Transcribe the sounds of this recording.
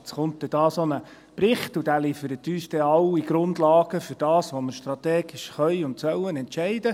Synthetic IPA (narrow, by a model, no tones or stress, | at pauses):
t͡sχʊnt̚d̪ɛd̥ɑːsonə | pɾɪχtudæːliːfəɾətːyːsd̥̪ɛɑwiɡ̥ɾʊndlɑːɡəfʏɾd̥ɑːsʋoməɾʃt̪ɾɑt̪eːɡɪʃχœʏʊntsœwənɛntʃɛɪdə